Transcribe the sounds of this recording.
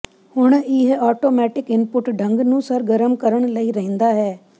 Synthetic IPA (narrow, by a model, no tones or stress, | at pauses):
hʊɳ̃ɪɦɔːʈoːmɛːʈɪkɪnpʊʈɖʱəŋɡnũːsəɾɡəɾəmkəɾəɳ̃ləiːɾɛɦɛ̃ːnd̪aːɦɛː